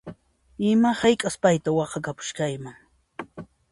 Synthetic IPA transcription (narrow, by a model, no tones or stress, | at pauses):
ɪmahɑjkʼaspajt̪awɑqɑkapʊ̥ʃkajmaŋ